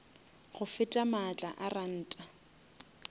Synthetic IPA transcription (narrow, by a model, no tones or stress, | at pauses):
χʊfɪtʼamat͡ɬʼa̰ʔaran̩ːtʼa